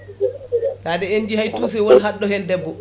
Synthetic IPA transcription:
taːdɛenːd͡ʒihajtuːs̬ɛwɔnɦaɗːɔhɛndɛbːɔ

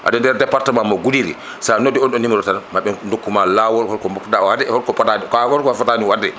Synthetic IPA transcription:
ʔa̰dɔndɛɾdɛpaɾtamamɔɡudiɾḭ | sanɔdiɔnɗɔnimɔɾɔtanamaɓɛndokːumalawɔlhɔɾkɔmɔkdaɔhadɛhɔɾkɔfatanikaɔɾkɔafataniwadɛ

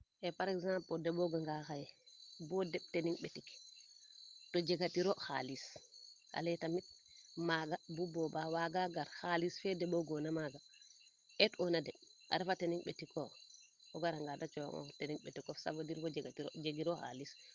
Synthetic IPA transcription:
ʔɛpaɾɛɡzampɔdɛbɔɡaŋɡaxajɛbɔdɛɓteniŋɓetik | tɔd͡ʒɛɡatiɾɔxa̰lis | a̰lɛjtamit̚ | maɡabubɔbawaɡaɡaɾhalisfɛdɛbɔɡɔnamaɡa | ɛtɔnadɛʔa̰ɾɛfateniŋɓetikɔ | ɔɡaɾaŋɡadat͡ʃɔwa̰ŋɔ̰teniŋɓetikɔfsa̰badiɾbɔd͡ʒɛɡatiɾɔd͡ʒeɡiɾɔxa̰lis

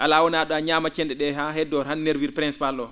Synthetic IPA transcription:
ʔalawɔnaɗɔaɲamat͡ʃɛndɛɗɛɦahɛdɔɾhanːeɾviɾpɾɛnspalːɔ

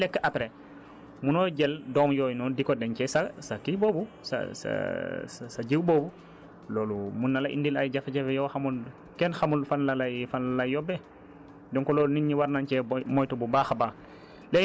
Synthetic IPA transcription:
lɛkːəʔapɾe | munɔɟɛldɔːmjɔːjnɔdikɔdɛɲcɛsasakibobu | sa̰sa̰ssaɟiwbɔːbu | loːlumunːalaʔḭndilajɟafaɟɛfjɔxamul | kɛnxamulfanlalajfanlalajjɔbɛ | dɔŋkɔloːlniɲːiwaɾnant͡ʃɛmɔjtububaːxaba | lɛ

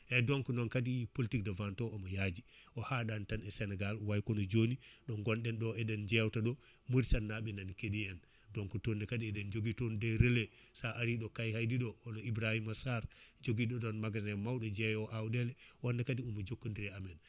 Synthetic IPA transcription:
ʔɛdɔŋkɔnɔnkadipoltikdavantɔɔmajad͡ʒi | ʔɔhaɗantanɛsɛnɛɡalwajkɔnɔd͡ʒoniɗɔŋɡɔnɗɛnɗɔɛdɛnd͡ʒɛwtaɗɔ | muɾtanːaɓɛnankedijan | dɔŋkutondɛkadiɛdɛnd͡ʒoɡitondɛjɾelɛsaʔaɾiɗɔkajhajdiɗɔɔnɔibɾahimasaɾd͡ʒoɡiɗɔɗɔnmaɡazɛmawɗɔd͡ʒɛjɔʔawdɛlɛwɔndɛkadiumɔd͡ʒokːundiɾɛamɛn

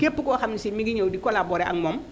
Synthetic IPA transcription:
kepːukoxamnisimiɡiɲowdikolaboːɾeʔaŋmom

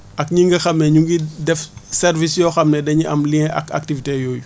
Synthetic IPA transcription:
ʔɐkɲiŋɡɐxɐmnɛɲuŋɡidɛfsɛrvisjɔxɐmnɛdɐɲiʔɐmliŋʔɐ̰kɐ̰k̚tivitejɔːju

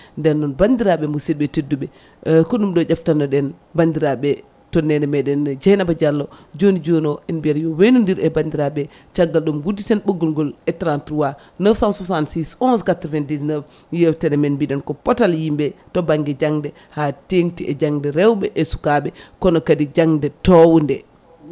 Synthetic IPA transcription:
ndɛnːɔnbandiɾaɓɛmuseɗɓɛtedːuɓɛ | kɔɗumɗɔd͡ʒaftanːɔɗɛn | bandiɾaɓɛ | tɔnːɛnɛmɛɗɛnd͡ʒajnabad͡ʒalːɔd͡ʒonid͡ʒonɔʔɛnbiɛɾjɔwenundiɾɛbandiɾaɓɛ | t͡ʃaɡːalɗumɡudːitɛnɓoɡːulɡɔlɛtɾantɾuwa | nəfsansusantsisɔnskatɾvɛndiznəf | jɛftɛnɛmɛnbiɗɛnkɔpɔtaljimbɛtɔbaŋɡɛd͡ʒaŋdɛ | hatentiʔɛd͡ʒaŋdɛɾɛwɓɛʔɛsu̥kaɓɛkɔnɔkadid͡ʒaŋdɛtɔwndɛ

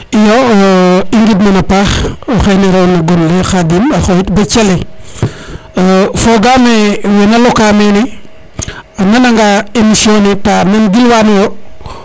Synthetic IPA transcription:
ijo | iŋɡidmanapaxoxeneɾonaɡonlexadinaxojitbet͡ʃele | foɡamewenalokamene | nanaŋɡaemisionetanenɡilwanjo

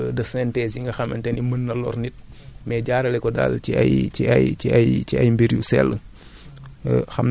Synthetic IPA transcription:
dɐsɛntɛsiŋɡɐxɐmɐntɛnimənːɐlɔ̰ɾnit̚mɛɟaːɾɐlɛkɔda̰lciɐ̰jt͡ʃḭɐ̰jt͡ʃiɐjt͡ʃiɐjmbeɾjusɛ̰lːə | xɐmn

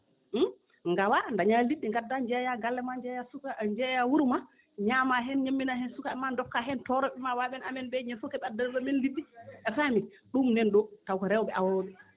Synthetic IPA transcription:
m̩ | ŋɡawandaɲaliɗːiŋɡadːaɲd͡ʒɛjaɡalːɛmad͡ʒjasuad͡ʒɛjawuɾma | ɲamaɦɛnɲamːinahɛnsukaɛmandɔkːaɦɛntɔɾɔɓɛmawaɓɛnamɛnbɛɲefukɛɓɛadalɗɔmɛnliɗːiʔɛfami | ɗumnɛnɗɔtawkɔɾɛwɔbɛʔawawɗɛ

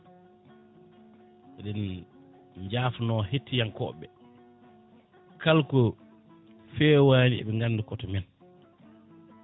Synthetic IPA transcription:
ʔɛɗɛn | ɲd͡ʒaːfnɔːhetːijaŋkɔ̰ɓɛ | kalkɔ | fɛːwaːniɛ̰ɓɛŋɡanːdɛkɔtɔmɛn

